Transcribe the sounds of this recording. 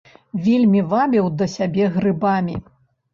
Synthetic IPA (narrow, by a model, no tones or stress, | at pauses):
vʲelʲmʲivabʲiwd̪ɐsʲabʲɛɣrɨbamʲḭ